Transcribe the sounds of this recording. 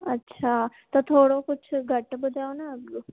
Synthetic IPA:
ətːɕʰat̪əɾt̪ʰoɽokut͡ɕʰɡʱəʈːbud̪ʱːeɦonaəɡo

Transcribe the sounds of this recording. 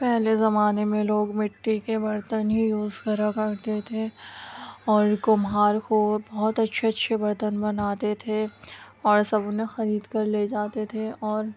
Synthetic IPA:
pɛɦlezɐmaːnemẽloːɡmɪʈːikebɐɾt̪ənɦijuːzkɐɾakɐɾt̪et̪ʰe | ɔːɾkʊmɦaːɾkobɔɦʊt̪ɐtːʃʰeɐtːʃʰebɐɾt̪ənbɐnaːt̪et̪ʰe | ɔːɾsɐbʊnẽxɐɾiːd̪kɐɾled͡ʒaːt̪et̪ʰeɔːɾ

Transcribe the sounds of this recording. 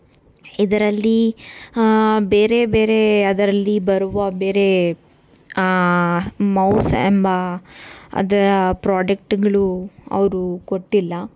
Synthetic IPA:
id̪ɐɾɐlːi | be̞ːɾe̞beːɾe̞ɐd̪ɐɾɐlːibɐɾuʋɐbe̞ːɾe̞ | mɐwsembɐ | ɐ̰d̪ɐɾɐpɾaːɖek̚ʈiɡɐɭuɐ̰ʋɐɾuko̞ʈːilːɐ

